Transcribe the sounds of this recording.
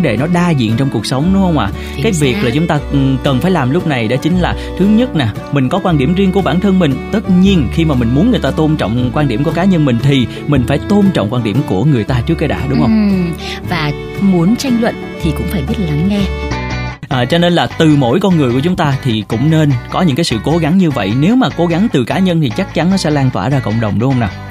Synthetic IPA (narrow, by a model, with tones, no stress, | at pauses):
ɗe˧˩nɔ˨˦ɗaː˧zḭ˧˨ənt͡ɕɔ˧wŋ͡mku˨˩ək̚sə˨˦wŋ͡mɗʊ˨˦ŋ͡mhə˧wŋ͡mʔaː˨˩ | kaː˨˦jvi˨˩ək̚laː˨˩t͡ɕʊ˨˦ŋ͡mt̪aː˧kə˨˩nfaː˧˩jlaː˨˩mlʊ˦˥k͡p̚na˨˩jɗa̰ː˧˥t͡ɕï˨˦ŋ̟laː˨˩t̪ʰɨ˨˦ɲə˦˥t̚naː˨˩ | mï˨˩ŋ̟kɔ˨˦kwaː˧nɗi˧˩əmzi˧ənku˧˩ɓaː˧˩nt̪ʰə˧nmï˨˩ŋ̟t̪ə˦˥t̚ɲi˧ənxi˧maː˨˩mï˨˩ŋ̟mu˨˦nŋɨ˨˩əjt̪aː˧t̪o˧nt͡ɕɔ̰˧˨wŋ͡mkwaː˧nɗi˧˩mku˧˩əkaː˨˦ɲə˧nmï˨˩ŋ̟t̪ʰi˨˩ | mï˨˩ŋ̟faː˧˩jt̪o˧nt͡ɕɔ̰˧˨wŋ͡mkwaː˧nɗi˧˩əmku˧˩əŋɨ˨˩əjt̪aː˧t͡ɕɨ˦˥əkːaː˨˦ɗa̰ː˧˥ɗʊ˨˦ŋ͡mhə˧wŋ͡m | vaː˨˩ | mu˨˦ənt͡ɕa˧jŋ̟lwə̰˧˨nt̪ʰi˨˩kʊ̰˧˥ŋ͡mfaː˧˩jɓi˦˥t̚la˨˦ŋːɛ˧ | ʔəː˨˩t͡ɕɔ˧ne˧nlaː˨˩t̪ɨ˨˩mo̰˧˥˩jkɔ˧nŋɨ˨˩əjku˧˩ət͡ɕʊ˨˦ŋ͡mt̪aː˧t̪ʰi˨˩kʊ̰˧˥ŋ͡mne˧nkɔ˨˦ɲɨ̰˧˥ŋkaː˨˦jsɨ̰˧˨ko˨˦ɣa˨˦ŋɲɨ˧və̰˧˨jne˨˦wmaː˨˩ko˨˦ɣa˨˦ŋt̪ɨ˨˩kaː˨˦ɲə˧nt̪ʰi˨˩t͡ɕa˦˥k̚t͡ɕa˨˦nnɔ˨˦sɛ̰˧˥laː˧ŋt̪waː˧˩zaː˧kə̰˧˨wŋ͡mɗə˨˩wŋ͡mɗʊ˨˦ŋ͡mhə˧wnaː˨˩